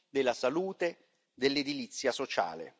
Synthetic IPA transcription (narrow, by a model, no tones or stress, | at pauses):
d̪elːasaluːt̪e | d̪elːed̪ilit̪sːjasot͡ʃa̰ːlḛ